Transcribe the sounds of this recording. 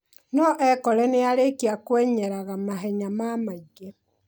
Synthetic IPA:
nɔʔɛkɔɾɛneaɾekiakwɛɲɛɾaɣamaɦɛɲamamaiɡe

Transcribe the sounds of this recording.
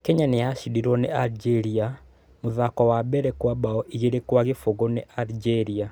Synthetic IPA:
kɛɲanejaʃidiɾwɔnealid͡ʒɛɾia | moðakɔwabɛɾɛkwabaɔʔiɣeɾekwaɣefoɣoneʔaɾid͡ʒɛɾia

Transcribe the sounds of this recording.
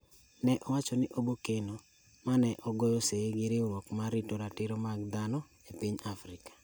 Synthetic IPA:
nɛʔɔwat͡ʃɔnɪʔobokeno | manɛʔɔɡɔjɔseɡɪɾɪɾwɔkmaɾitoɾatɪɾomaɡ̚d̪anɔ | epiɲafɾɪkḁ

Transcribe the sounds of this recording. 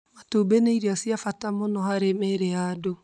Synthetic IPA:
matobeneiɾiasiafatamonɔhaɾemeɾeado

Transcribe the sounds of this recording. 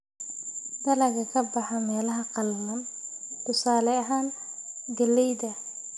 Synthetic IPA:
d̪ɐlɐɣɐkʰɐbɑħɑmɛːlɐɦɐqɑlːɐm | kʊsaːlɛɐɦaːn | ɡɐlːɛjd̪ɐ

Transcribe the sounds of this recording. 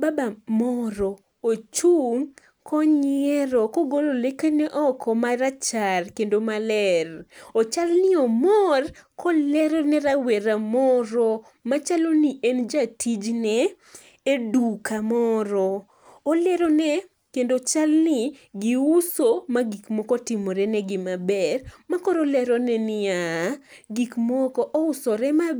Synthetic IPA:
babamɔɾɔ | ot͡ʃuŋ | kɔɲɪɛɾɔkɔɡololekenɛʔɔkʰɔmaɾat͡ʃarkendomalɛrɔt͡ʃalnɪɔmɔrkʰɔlɛɾɔnɛɾaweɾamɔɾɔ | mat͡ʃaloniend͡ʒatʰid͡ʒnɛ | edukamɔɾɔː | lɛɾɔnɛ | kendot͡ʃalnɪɡiusomaɡikmɔkɔtɪmɔɾɛnɛɡɪmabɛrmakɔɾɔlɛɾɔnɛnɪa | ɡikmɔkɔʔɔʊsɔɾɛma

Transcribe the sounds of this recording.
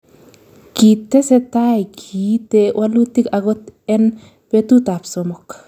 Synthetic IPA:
kitːesɛtajkʰitɛwʔalut̪ikaɡɔt̪ɛn | petutapsɔmɔk

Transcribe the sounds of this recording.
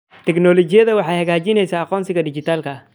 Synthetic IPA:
t̪ʰɛknɔlɔt͡ʃɪjɐðɐwɑħɑːjhɐɣaːt͡ʃɪnɛjsaːɑqɔːnsɪɣɐdɪt͡ʃɪt̪ʰaːlkʰɐ

